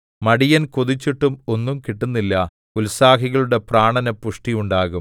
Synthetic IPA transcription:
mɐɽijɐnkoðit͡ɕːiʈːumo̞nːumkiʈːunːilːɐ | ulsaːkiɣɐɭuɽe̞praːɳɐnɐpuʂʈijuɳɖaːɣum

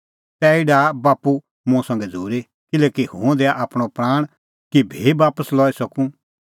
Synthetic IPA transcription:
t̪ɛɪɖabaːpu | mũsɐ̃ŋɡɛd͡zʱuːɾe | kɪlɛːkihṵ̃d̪eːaʔaːpɽ̃opɾaːɽ̃ | kibʱeːbaːpəslɔːisɐkũ

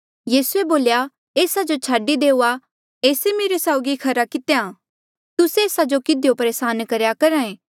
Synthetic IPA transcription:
jiːsueboːlja | eːsad͡ʒot͡ʃʰaːɖid̪eːʊa | eːsemeːɾesaʊɡikʰɐɾakɪt̪ejã | t̪ʊseːsad͡ʒokɪd̪ejopɐɾeːsaːnkɐɾjakɐɾãːẽː

